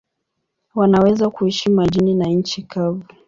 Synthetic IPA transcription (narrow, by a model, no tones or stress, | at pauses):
wanawɛzakuhiʃimuaʄininaɲ̩t͡ʃikʰavi